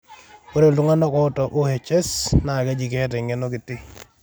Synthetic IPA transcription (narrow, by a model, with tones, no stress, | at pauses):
ko˦ɾe˨ltu˦ŋa˦nɔ˦kɔ˦tɔ˨ʔo˦hɛ˨t͡ʃɛ˦sna˨kɛ˦d͡ʒi˨kɛ˦tɛ˨ŋɛ˦no˦ki˨tɪ˦